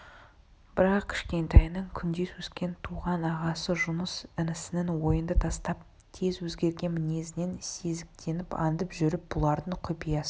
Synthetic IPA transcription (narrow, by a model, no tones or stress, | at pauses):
b̥ɪɾɑqkʲʰɪ̥ʃkʲe̞nt̪ɑjnəɴkʲʰʏnd̪e̞swɵskʲe̞nt̪ʰuʁɑnɑʁɑsəʒʊnəsɪnɪsɪnɪnwo̞jənd̪ət̪ʰɑst̪ɑp̚ | t̪ʰe̞zwɵzɡʲe̞ɾɡʲe̞nmɪne̞zɪne̞nse̞zɪk̚t̪ʰe̞nɪpɑ̰nd̪əpʒʏɾɪp̚bʊlˠɑɾd̪əɴqʰʊpijɑsə